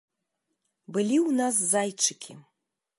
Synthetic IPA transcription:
bɨlʲiwnas̬ːajt͡ʂɨkʲʰi

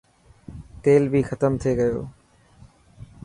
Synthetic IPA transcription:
t̪eːlbʱixət̪əmt̪ʰeɡɐjo̰ː

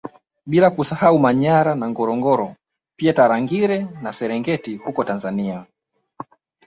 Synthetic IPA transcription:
ɓilakusahaumaɲaɾanaŋɡɔɾɔŋɡɔɾɔ | piataɾaŋɡiɾɛnasɛɾɛŋɡɛtihukɔtanzania

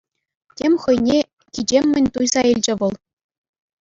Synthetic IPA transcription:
tʲemʲχɤ̆jnʲe | kʲid͡ʑemʲːɘ̆nʲt̪ujzɑilʲd͡ʑɘ̆ʋɤ̆lˠ

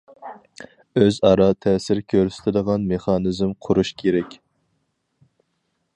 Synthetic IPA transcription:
øzɑɾɑt̪ʰɛsɪɾkʲʰøɾsɪ̥t̪ʰɪd̪əʁɑnmeχɑnɨzmqʰʊɾuʃkʲʰeɾɛkʲ

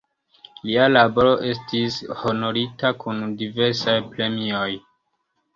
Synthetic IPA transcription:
lialabo̞ɾo̞ʔe̞stisho̞no̞ɾitakundive̞ɾsajpɾe̞mio̞j

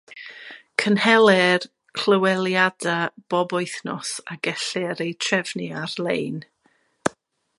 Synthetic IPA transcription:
kʰənhɛlˠɛr | kʰl̥əwɛlˠjadab̥ɔbɔɨθnɔsaɡɛɬɛɾetʰrɛvniarlˠejn

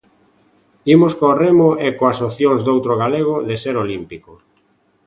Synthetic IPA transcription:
imoskoremoekoasoθjoŋzd̪owt̪ɾoɣaleɣ̞oðeseɾolimpiko

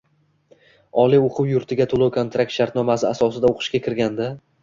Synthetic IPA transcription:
ɒlioqʰɨwjʊɾt̪ʰɪɡʲat̪ʰolˠowkʰont̪ɾak̚t̪ʃaɾt̪nɒmasɪasɒsɪd̪aoqʰɨ̥ʃkʲakʲʰɪɾɡʲand̪a

